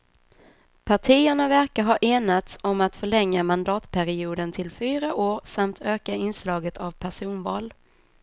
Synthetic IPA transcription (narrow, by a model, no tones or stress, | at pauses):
pʰaʈʰiːəɳavæɾkaɾɦɑːʔeːnat̪sɔmat̪fœɭɛŋːamand̪ɑːt̪pʰæɾɪuːd̪ənt̪ʰɪlfyːɾaʔoːɾsamt̪ʰøːkaɪnslɑːɡət̪ʰavpʰæʂuːnvɑːl